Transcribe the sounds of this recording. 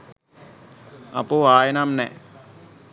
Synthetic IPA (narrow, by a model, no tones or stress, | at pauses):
a̰puaːjenamnɛ